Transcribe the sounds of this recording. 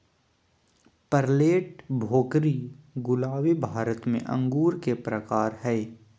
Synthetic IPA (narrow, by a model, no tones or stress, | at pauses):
pəɾleːʈbʱoːkɾiɡʊlaːʋibʱaːɾət̪mḛ̃ʔɐ̰̃ŋɡuːɾkepɾəkaːɾɦɛː